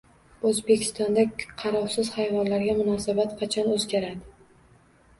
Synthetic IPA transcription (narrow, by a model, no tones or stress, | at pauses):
ɵzbe̞kʲʰɪ̥st̪ɒnd̪aqʰɑɾɒχsɪz̥hajvɒnlaɾɡʲamʊnɒsabat̪qʰɑt͡ʃʰɒnɵzɡʲaɾad̪ɪ